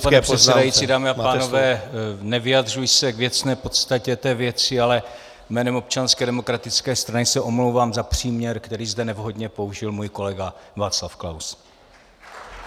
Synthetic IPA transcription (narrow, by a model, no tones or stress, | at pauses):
ppaɛprɛt̪sɛdajit͡siːdaːmɪapaːnovɛːnɛvɪjad̪r̝ujsɛɡvjɛt͡snɛːpo̞t̪st̪acɛt̪ɛːvjɛt͡sɪalɛ | mɛːnɛmo̞p̚t͡ʃanskɛdɛmo̞kɾat̪ɪt͡skɛːst̪ɾanɪsɛʔo̞mlowvaːmzapr̝̥iːmɲɛɾkt̪ɛɾiːzd̪ɛnɛvɦo̞dɲɛpo̞uʒɪlmuːjko̞lɛɡavaːt͡slafkla̰ws